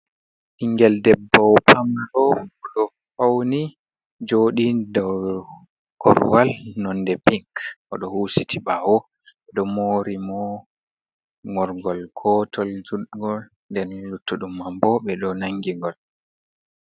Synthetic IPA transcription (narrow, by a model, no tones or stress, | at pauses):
ʔiŋɡɛldɛbːawpʰamɗɔɗɔ | fawni | d͡ʒoːɗidɔw | kɔ̰ɾwalnɔndɛpiŋkʔɔɗɔhusitʰiɓawɔ | ɓɛɗɔmoɾimɔ | ŋɔɾɡɔlkʰɔːtʰɔld͡ʒuɗɡɔl | ndɛnlutːuɗumambɔɓɛɗɔnaŋːɡiŋɡɔl